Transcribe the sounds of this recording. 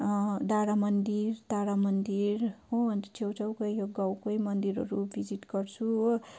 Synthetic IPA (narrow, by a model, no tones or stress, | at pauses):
d̪aɽamʌnd̪iɾt̪aɽamʌnd̪iɾɦoʌnt̪e̥t͡sʰewt͡sʌwkʌjjoɡawkojmʌnd̪iɾʌ̰ɾubʱid͡ziʈɡʌrt͡sʰu